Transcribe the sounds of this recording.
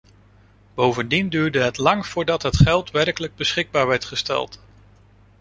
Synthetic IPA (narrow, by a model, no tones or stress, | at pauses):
b̥owvəndindyːɹdəɦətlɑŋv̥ʊːɹdɑtɦətχɛlˠtʋɛrkələɡ̚bəsχɪɡ̚baːɹʋɛɹtχəstɛ̰lˠt